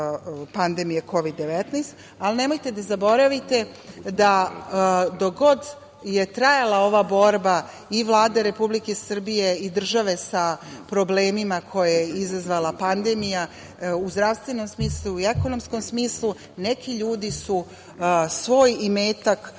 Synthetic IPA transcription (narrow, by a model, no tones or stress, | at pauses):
pand̪e̞mijekʰo̞ʋid̪ːe̞ʋet̪nɛst̪ | aline̞mo̞jt̪ed̪azabo̞ɾaʋit̪e̞ | d̪a | d̪o̞ɡo̞d̪ | je̞t̪ɾajalˠao̞ʋabo̞ɾba | iʋlˠaːd̪eɾe̞publike̞sr̩bije̞id̪r̩ʒaʋe̞sapɾo̞ble̞ːmimakʰo̞jajeizazʋalapand̪e̞mija | uzd̪ɾaʋst̪ʋe̞no̞msmiːslˠuie̞ko̞no̞msko̞msmiːslu | ne̞kiʎuːd̪isu | sʋo̞ːjimeːt̪ak